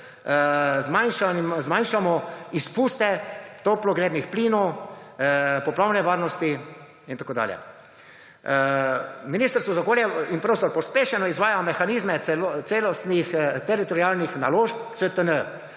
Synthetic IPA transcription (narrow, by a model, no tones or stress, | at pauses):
zmanʃanzmajnʃamɔispuːst̪ɛt̪oplɔɡleːd̪nixpliːnɔw | pɔplaːwnɛʋaːɾnɔst̪i | int̪akoːd̪a̰ːljɛ̰ | minist̪əɾsʋɔzaɔkoːljɛinpɾoːst̪ɔɾpɔspeːʃɛnɔizʋaːjamɛxaniːzmɛɛlot̪seːlɔst̪nixt̪ɛɾit̪ɔɾiaːlnixnaloːʃp̚t̪sət̪ənə